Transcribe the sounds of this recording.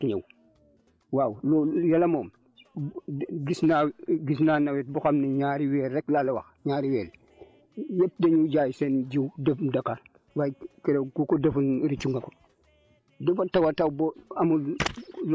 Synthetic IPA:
kiɲḛw | wawlojalamoːm | ɡisnaɡis̬naːnawet̚buxamniɲaːɾiweɾeklalewa̰xɲaːɾiwel | jep̚deɲuɟajsend͡ʒiwdefndakaɾ | wajkeɾekukodɐfunɾit͡ʃuŋɡako̥ | defatawatawboamull

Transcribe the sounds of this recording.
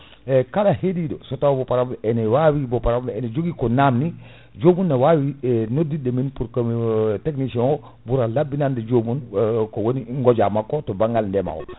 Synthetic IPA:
ɛkaɗahedidɔ̰sɔtawɔbɔpaɾamɛnɛwawibɔpaɾamɛnɛd͡ʒoɡikɔnamni | d͡ʒomunːawawinodːidɛminpuɾkateknisiɔŋɔ | buɾalabːinandɛd͡ʒomunkɔwoniŋɡɔd͡ʒamakːɔtɔbaŋɡalndɛma̰wɔ̰

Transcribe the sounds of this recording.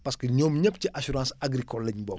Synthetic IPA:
paskəɲoːmɲəp̚t͡ʃiʔasuɾãːsaɡɾikɔlːeɲbɔ̰ː

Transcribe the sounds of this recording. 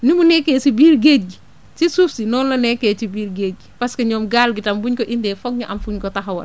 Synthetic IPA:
nimunɛkːeːsibiːɾɡeɡi | sisufsinɔːnlɔnɛkːɛːt͡ʃibiːɾɡeːɡipɐskɐɲɔːmɡaːlɡitɐmbuɲkɔʔindɛːfɔk̚ɲuʔɐmfuɲkɔtaɦɐwɐ̰l

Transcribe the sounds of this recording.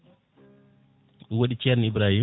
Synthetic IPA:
woɗit͡ʃɛɾnibɾahi

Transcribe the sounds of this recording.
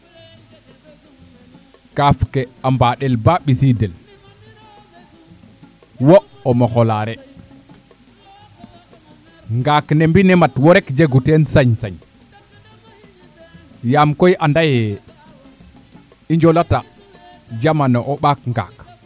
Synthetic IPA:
kafkeambaɗelbaɓisidel | wo | omoxolaɾɛ | ŋɡaknembinematwoɾekd͡ʒeɡutensaɲsaɲ | jamkojʔandajɛ | iɲd͡ʒolata | d͡ʒamanoʔoɓakŋɡa̰k

